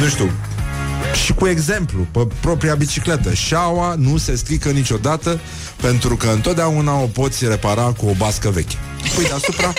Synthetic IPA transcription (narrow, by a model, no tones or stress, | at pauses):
nuʃt̪u | ʃikue̞ɡze̞mplupepɾo̞pɾiabit͡ʃiklet̪əʃawanuse̞sk̪ɾikənit͡ʃo̞d̪at̪ə | pe̞nt̪ɾukəɨnt̪ot̪̚d̪eaunao̞po̞t̪sʲre̞paɾakuo̞baskəve̞̰kʲə̥ | pujd̪easupɾa